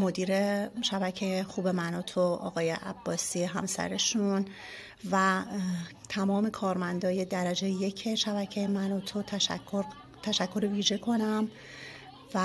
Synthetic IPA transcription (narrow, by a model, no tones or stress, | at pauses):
mo̞d̪iːɾeʃæbæcʰejexuːbe̞mænɒːt̪ʰoɒ̰ːɣɒːjḛʔæ̰b̥ːɒːsiːɦæmsæ̰ɾe̞ʃun | væ | t̪ʰæmɒːme̞kʰɒːɾmænd̪ɒːje̞d̪æɾæd͡ʒejje̞cʰeʃæbæcʰejemænot̪ʰot̪ʰæoɾ | t̪ʰæʃækʰːo̞ɾviːʒe̞kʰo̞næm | væ